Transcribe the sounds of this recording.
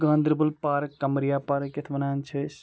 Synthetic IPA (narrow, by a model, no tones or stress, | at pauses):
ɡãːnd̪ɾbɐlpaːɾkːɐmɾijaːpaːɾkːɪt̪ʰbɐnaːnt͡ʃʰɐs